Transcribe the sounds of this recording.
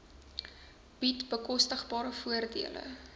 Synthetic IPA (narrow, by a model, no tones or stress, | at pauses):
b̥itbəkɔstəχbɑːɾəfuərdiəlʔə̰